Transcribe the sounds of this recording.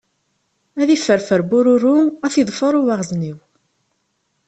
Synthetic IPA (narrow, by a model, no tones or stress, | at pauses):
æðifːəɾfəɾbʊɾʊɾuæθjðˤfəɾˤʊwaʁzniw